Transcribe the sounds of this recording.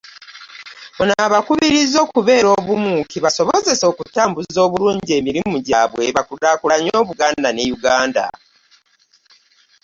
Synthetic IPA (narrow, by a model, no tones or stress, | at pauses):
munaβakuβiɾizo̞ːkuβe̞ːɾo̞ːβumukiβaso̞βoze̞so̞ːkutaːmbuzo̞ːβuluːɲɟie̞ːmiɾimuɟaβwe̞βakudakulaɲo̞ːβuɡaːndane̞juɡaːnda̰